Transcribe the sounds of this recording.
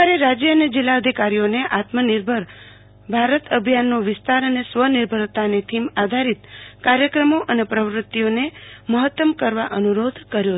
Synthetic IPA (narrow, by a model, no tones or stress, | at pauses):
aɾeɾad͡ʒjəəned͡ʒilːaəd̪ʱikaɾijoneʔat̪mənɪɾbʱəɾ | bʱaɾət̪əbʱjanːoʋɪst̪aɾənesʋəniɾbʱəɾt̪anet̪ʰimad̪ʱaɾit̪kaɾjəkɾəmoʔənepɾəʋɾʊt̪ːijoneməɦət̪ːəmkəɾʋaʔənuɾod̪ʱkəɾjo